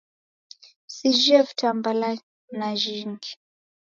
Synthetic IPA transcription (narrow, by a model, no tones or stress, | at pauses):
sid͡ʒiavitʰambala | naʒiŋɡi